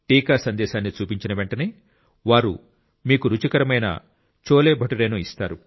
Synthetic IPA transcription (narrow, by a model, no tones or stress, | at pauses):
ʈiːkaːsɐnd̪ɛːʃaːnːit͡ʃuːpiɲt͡ʃinɐʋe̞ɳʈɐne̞ː | ʋaːɾṵ | miːkuɾut͡ʃikɐɾɐmɐjnɐ̰ | t͡ʃoːleːbʱɐʈuɾeːnoːist̪aːɾu